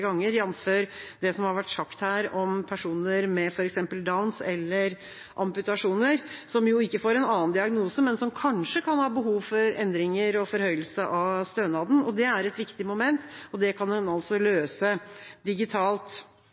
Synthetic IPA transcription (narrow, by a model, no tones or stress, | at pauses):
ɡɑŋːəɾjɛnːføːɾd̪ɛsɔmhɑɾʋæʈːʂɑkt̪hæːɾɔmpʰæʂuːnəɾmɛfɔɾɛksɛmpəld̪ɑʊnsɛlːəɾ | ʔɑ̰mpʉt̪ɑʂuːnəɾsɔmjʊɪkːəfoːɾɛnɑːənd̪ɪɑɡnuːsəmɛnsɔmkʰɑnʂəkʰɑnhɑːbəɦuːʋfɔɾɛ̰nd̪ɾɪŋəɾɔfɔɾhœʏəlsəʔɑʋst̪øːnɑːd̪ən̩ɔd̪ɛæɾɛt̪ʋɪkt̪ɪmʊmɛnt̪ɔd̪ɛkʰɑnmɛnɑlsɔløːsəd̪ɪɡɪt̪ʰɑːlt̪